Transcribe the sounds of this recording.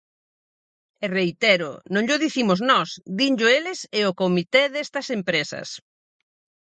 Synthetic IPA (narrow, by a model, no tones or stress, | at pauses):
erejt̪ɛɾʊnõŋʎʊðiθimʊznɔsd̪iɲʎʊelɪseokomit̪eðest̪ɐsempɾesɐ̰s